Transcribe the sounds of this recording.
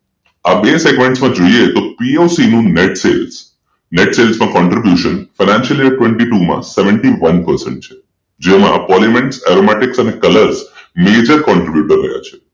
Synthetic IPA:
abeseɡmẽɳʈsmãd͡ʒoiet̪opiosinũneʈsels | neʈselsmãkɔɳʈɾibjuʃənfanãnʃəlieʈʋẽɳʈiʈumã̰seʋəɳʈiʋənpəɾsḛ̃ɳʈ̚t͡ʃʰe̥ | d͡ʒemã̰pɔlimẽɳʈsɛ̰ɾomɛʈɪksənekələɾzmed͡ʒəɾkɔ̃ɳʈɾibjuʈəɾːə̰ɦja̰t͡ʃʰe̥

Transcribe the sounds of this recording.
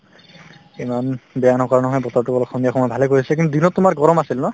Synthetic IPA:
imanbɛjanɔkɔanɔɦɔjbɔtɔɹtukɔlɔkxʰɔmijakʰɔmɔjbʱalɛkoɹisɛk̬intud̪inɔttʊmaɹɡɔɹɔmasilnɔ

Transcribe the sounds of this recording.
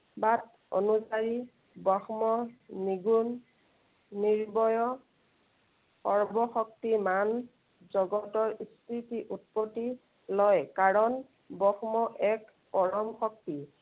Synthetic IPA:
bat̚ | o̰nusaɹi | bɔxmɔniɡunː | iɹbɔjɔ | ɔɹbɔxɔk̚timan | zɔɡɔtɔɹistʰitiʔut̚pɔti | lɔjkaɹɔn | bɔxmɔʔɛk | pɔɹɔmxɔk̚ti

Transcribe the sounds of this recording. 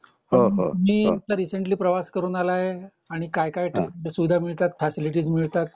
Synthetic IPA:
pɦəoo̰miːt̪aɾiseɳʈliːpɾəʋaskəɾuːnalaɦe | aɽ̃ikajkajʈsuʋid̪ʱamiɭt̪at̪fɛsiliʈ̬iːd͡zmiɭt̪at̪̚

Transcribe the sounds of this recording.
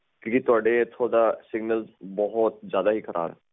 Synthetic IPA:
kjõːkit̪ʊaːɖeɪt̪ʰːod̪aːsɪɡnəlzbɔɦɔt̪̚zjaːd̪aːɦiːkʰəɾʔa̰ːbɛ

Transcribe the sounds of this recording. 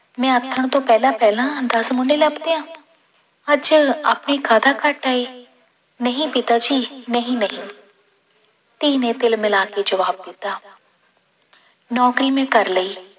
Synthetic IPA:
mɛ̃ːət̪ʰːəɽ̃t̪õːpɛːlaːpɛːlãːd̪ɐsmʊɳɖeləbt̪eɦãː | əd͡ʒə̰pnikʰaːd̪akaʈaːeː | nəɦĩpɪt̪aːd͡ʒiːnəɦĩːnəɦĩː | t̪iːnẽt̪ɪlmɪlaːked͡ʒəʋaːb̚d̪ɪt̪aː | nɔːkɾiːmẽːkəɾləiː

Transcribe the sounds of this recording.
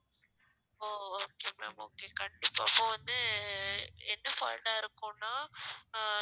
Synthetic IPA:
oːoːkeːmḛmo̰ːkekɐɳɖɪpːaːɪpːõːʋɐnd̪ɯ | ɛnːɯfa̰ːɪʈaːɪɾɯkːʊ̃nːaː

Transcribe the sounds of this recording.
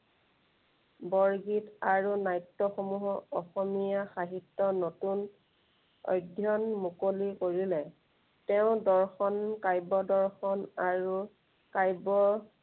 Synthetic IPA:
bɔɹɡitaɹunajtːɔxɔmuɦɔɔxɔmijaxaɦitːɔnotun | ɔ̰jdʱjɔnmukolikoɹilɛ | tɛʊ̃dɔɹxɔnkajbɔdɔɹxɔnaɹu | kajbɔ

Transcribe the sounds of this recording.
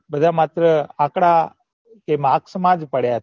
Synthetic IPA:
bəd̪ʱamat̪ɾəãkɽa | kemãksəmad͡ʒpəɽja

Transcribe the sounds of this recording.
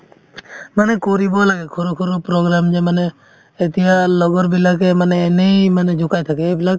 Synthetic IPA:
manekɔɾibɔlaɡɛkʰɔɾukʰɔɾupɾoɡɾamd͡ʒemaneː | t̪ijalɔɡɔɾbilakemaneːnejmaned͡ʒʱukajt̪ʰakeebilak̚

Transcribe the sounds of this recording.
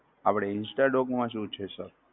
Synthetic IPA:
apɽ̃eɪnsʈaɖɔkmãʃiut͡ʃʰesəɾ

